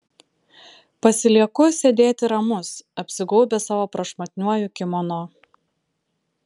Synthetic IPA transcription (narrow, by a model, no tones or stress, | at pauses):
pɐsʲɪlʲiɛkʊsʲed̪ʲeːt̪ʲɪɾɐmʊsɐpʲsʲɪɡɔːbʲɛsɑːʋoːpɾɐʃmɐt̪ʲnʲuɔjʊkʲɪmɔnoː